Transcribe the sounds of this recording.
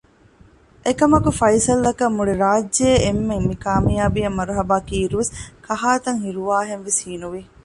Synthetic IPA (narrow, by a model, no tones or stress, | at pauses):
ʔekɐmɐkufɐjsɐlːɐkɐmːuɽeɾaːd͡ʒːeːmːemikaːmijaːbijɐmːɐɾuɦɐbaːkiːɾuʋeskʰɐɦaːt̪ɐŋhiɾuʋaːɦenʋeshiːnuʋi